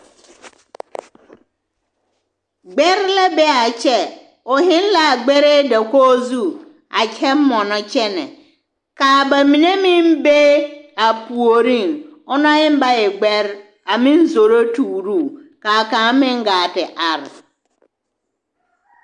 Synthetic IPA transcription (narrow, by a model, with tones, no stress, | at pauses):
ɡ͡bɛ˦ɾlɛ˦bɛ˦a˨t͡ɕʰɛ˦ | ɔ˨ɦɪ̃˦n˦la˨ɡ͡bɛ˦ɾe˦dɛ˨ko˦zu˦ | a˨t͡ɕʰɛ˦m̩˦mɔ̃˨nʊ̃˦t͡ɕʰɛ˦nɪ̰̃˨ | kaː˨ba˨mĩ˨nẽ˦mɪ̃˦m̩˦be˦a˨pu˨o˨ɾĩ˦˨nɔ˦nã˦hɪ̃˦m˦ba˦jɛ˨ɡ͡bɛ˦ɾ | a˨mɪ̃˦n̩˦so˨ɾo˦tʰuː˨ɾu˦˨ka˨kã˨˦mɪ̃˦ŋ̩˦ɡa˨tɪ˨ʔa˦˨ɾ